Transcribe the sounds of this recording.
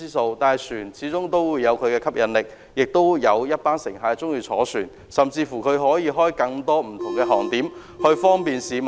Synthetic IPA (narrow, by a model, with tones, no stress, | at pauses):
iː˥so˧wt̪aː˨˩syː˨˩nt͡sʰiː˨˥t͡sʊ˥ŋt̪o˥wuː˨˧jɐ˨˧wkʰɵ˨˧ɥkɛː˧kʰɐ˥p̚jɐ˨˧nlɪ˨k̚ | jɪ˨k̚t̪o˥wjɐ˨˧wjɐ˥t̚paː˥nsɪ˨˩ŋɦaː˨˧t͡sʊ˥ŋjiː˧t͡sʰɔ̰ː˨˥syː˨˩n | sɐ˨mt͡siː˧fuː˨˩kʰɵ˨˧ɥɦɔː˨˥jiː˨˧ɦɔː˥jkɐ˧ŋt̪ɔː˥m̩˨˩t̪ʰʊ˨˩ŋkɛː˧ɦɔː˨˩ŋt̪iː˨˥m | hɵ˧fɔː˥ŋpiː˨nsiː˨˧m